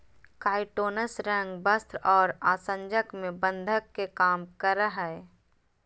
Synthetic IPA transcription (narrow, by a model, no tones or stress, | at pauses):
kaːɪʈoːnəsɾə̃ŋɡbəst̪ɾɔːɾaːsə̃ɲd͡ʒəkmẽbə̃nd̪ʱəkːekaːmkəɾəɦɛ